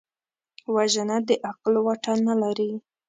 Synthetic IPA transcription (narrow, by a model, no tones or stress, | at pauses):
waʒanad̪əʔaqlwaʈanalaɾi